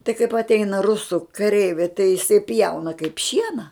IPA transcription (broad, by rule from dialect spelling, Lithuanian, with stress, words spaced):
tɐɪ kɐɪp ɐtʲˈɛɪnɐ rʊˈsuː kɐˈrʲɛɪʋʲɛɪ tɐɪ jɪˈsɐɪ ˈpʲjɛʊnɐ kɐɪp ˈʃʲiɛnɐ